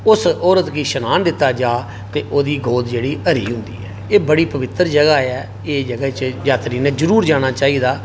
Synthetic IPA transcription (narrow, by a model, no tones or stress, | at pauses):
ʊsɔːɾət̪kiːʃənaːnd̪ɪt̪ːaːd͡ʒaː | t̪eːʔoːd̪iːɡʱoːd̪d͡ʒeːɽiːəɾḭːɦʊ̃nd̪ḭːɛːeːbəɽiːpəʋɪt̪ːəɾd͡ʒəɡaːɛː | eːd͡ʒəɡət͡ʃd͡ʒaːt̪ɾiːnɛ̃ːd͡ʒəɾuːɾd͡ʒaːɽ̃aːt͡ʃaːiːd̪aː